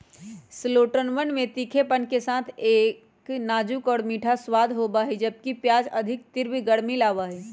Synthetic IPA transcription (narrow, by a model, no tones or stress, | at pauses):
sloːʈənʋənmẽt̪ikʰepənkesaːt̪ʰeː | knaːd͡ʒukɔːɽmiːʈʰaswaːd̪ʱɦobaɦid͡ʒəb̚kipjaːd͡ʒəd̪ʱɪk̚t̪ɪɾbʱiɡəɽmilaːʋaːɦi